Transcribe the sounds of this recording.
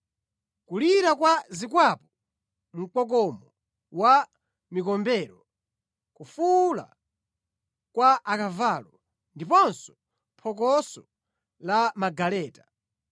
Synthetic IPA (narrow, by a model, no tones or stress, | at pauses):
kuliɾakwazikwapɔ | m̩k͡pɔk̬ɔmɔ | wa | mikɔmbɛːɾɔ | kufula̰ | kwaʔakavaːlɔ | ndipɔnsɔ̥ | pʰɔk̬ɔsɔ | lamaɡalɛːtḁ